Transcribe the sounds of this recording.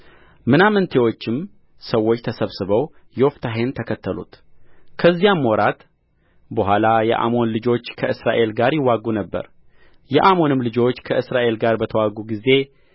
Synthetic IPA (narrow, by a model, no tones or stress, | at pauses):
mɨnamɨnt̪ʰe̞wo̞t͡ʃːɪm | səwːot͡ʃːt̪ʰəsəβsɨβəw | joft̪ʰaɦe̞nt̪ʰəkʰət̪ʰːəlṵt̪kʰəzːijamːoɾat̪ | bəɦʷalajɛ̰ʔa̰mo̞nlɨd͡ʒo̞t͡ʃːkʰəʔɨsɾaʔe̞lɡaɾjɪwːaɡunəbːə̰ɾ | jɛ̰ʔamo̞nɨmlɨd͡ʒo̞t͡ʃːkʰəʔɨsɾaʔe̞lɡaɾbət̪ʰəwaɡuɡize̞